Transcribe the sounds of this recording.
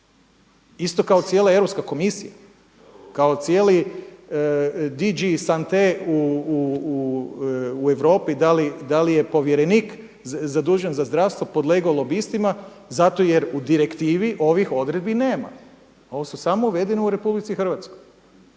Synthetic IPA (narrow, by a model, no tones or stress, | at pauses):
ist̪o̞kaot̪sʲjelˠae̞ʋɾopskako̞misija̰ | kao̞t̪sjeːli | d̪id͡ʒisant̪eu | e̞ʋɾo̞ːpid̪alid̪alije̞po̞ʋjeɾeniːk | zad̪uːʒenzazd̪ɾaʋst̪ʋopo̞d̪le̞ɡaolo̞bist̪ima | zat̪o̞je̞ɾud̪iɾe̞kt̪iːʋiʔo̞ʋixo̞d̪ɾed̪̚bine̞ːma̰ | o̞ʋesusamouʋe̞d̪e̞neuɾe̞publit̪sixr̩ʋat̪skoj